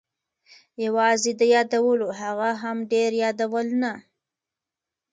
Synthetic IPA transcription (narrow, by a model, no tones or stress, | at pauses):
jawɑzed̪əjɑd̪awəloɦaɣaɦamɖeɾjɑd̪awəlna